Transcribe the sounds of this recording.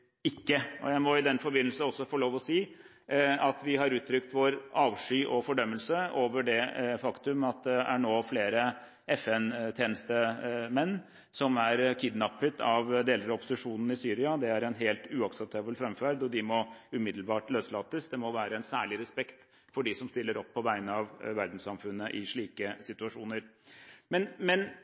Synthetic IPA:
ɪkːəʔɔ̰jæɪmɔɪd̪ɛnfɔɾbɪnəl̩snɔsːɔfɔɭoːʋɔsiː | ɑt̪ʋɪɦɑɾʉːt̪ʰɾʏkt̪ʋoɾʔɑːʋʂyːʔɔfɔɖœmːəlsəoːʋəɖɛfɑkt̪ʉmɑt̪̚d̪ɛʔæɳoːfleːɾə | ɛfɛnt̪ʰjeːnəst̪əmɛnː | sɔmæɾkʰɪd̪nɑpːət̪ʰɑʋd̪eːləɾɔpʊsɪʂuːnn̩ɪsyːɾɪɑd̪ɛæɾɛnɦeːlt̪ʉːɑksɛp̚t̪ʰɑːbəlfɾɛmfæɾd̪ɔd̪ɪmɔʉmɪd̪lbɑːʈløːslɑːt̪əsd̪ɛmɔʋæːɾəɛnsæːɭɪɾɛspɛkt̪ | fɔɖɪsɔmst̪ɪlːəɾɔpʰːɔʋæɪnəɑʋʋæɾd̪n̩sɑmfʉnːəʔɪʂɭiːkəsɪt̪ʉɑʂuːnəɾmɛnmɛn

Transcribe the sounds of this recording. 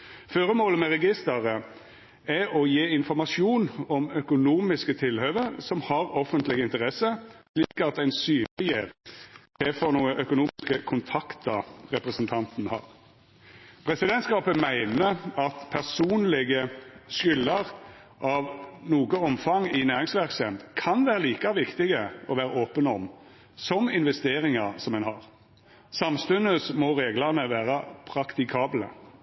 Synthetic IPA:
føːɾəmoːləmɛʁɛɡɪst̪əʁə | ɛɔjeːɪnfɔɾmɑʃjuːnɔmœkʊnuːmɪskət̪ʰɪlhøːʋəsɔmhɑɾɔfənt̪lɪɡəɪnt̪əʁɛsəsliːkɑt̪æɪnsyːnlɪje | t̪ʰɛfɔnuːəʔœkʊnuːkəkʰʊnt̪ʰɑkt̪ɑɾɛpʁəsənt̪ʰɑnt̪nhɑ̰ːʁ | pʰʁɛsɪd̪ɛnt̪skɑːpəmæɪnəɑt̪pʰæʁsuːnlɪɡəʃʏlːɑʁ | ʔɑʋnuːɡəɔmfɑŋɪnæːɾɪŋsʋæʁksɛnkʰɑnʋæːɾəliːkɑʋɪkt̪ɪɡəɔʋæːɾəoːpənɔm | sɔmɪnʋɛst̪eːɾɪŋɑsɔmɛnhɑʁ | sɑmst̪ʉnəsmɔɾeːɡlɑʁnəʋæːɾɑpʰɾɑkt̪ɪkʰɑːblə̰

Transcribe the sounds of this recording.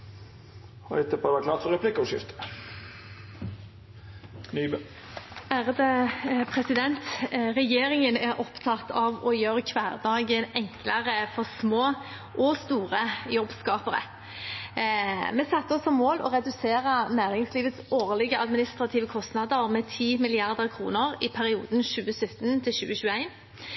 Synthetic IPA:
ɛt̪ːəpod̪ʋɑɾkʰlɑːt̪fɔɾɛpʰlɪkːəɔʃɪ̰ft̪ə̥ | nyb | æːʁəd̪əpʰʁɛsɪd̪ɛnt̪ʁɛjeːɾɪŋənɛɾʔɔpt̪ʰɑt̪ːɑʋɔjøːʁəkʰʋæːʁd̪ɑːɡənɛŋkləʁəfɔʁsmoː | ʔɔst̪uːʁəjɔbskɑːpəɾə̰ | mɛsɛt̪ːəɔsɔmoːlɔ̰ʁɛd̪ʉseːʁənæːɾɪŋsliːʋət̪soːʁlɪɡəʔɑd̪mɪnɪst̪ʁɑt̪ʰiːʋəkʰɔst̪nɑd̪əʁmɛːt̪ʰiːmɪlɪɑʁd̪əʁkʰʁṵːnəʁɪpʰæʁɪṵːd̪n̩ʃʉːəsœt̪ːənt̪ʰɪlʃʉːəɕʉːəæɪn

